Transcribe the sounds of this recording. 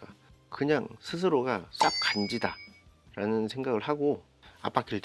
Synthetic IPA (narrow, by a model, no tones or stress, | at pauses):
ka | kɯɲaŋsʰɯs̬ʰɯɾoɡas͈ap̚kand͡ʑida | ɾanɯnsʰe̞ŋɡaɡɯɭhaɡo | a̰p͈ak͈ʰiɭt